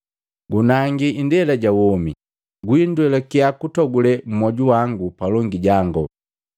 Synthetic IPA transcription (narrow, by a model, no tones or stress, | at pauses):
ɡunaŋɡiindɛlaɟawɔmi | ɡwindwɛlakiakutɔɡulɛm̩mɔɟuwaŋɡupalɔŋɡiɟaŋɡɔ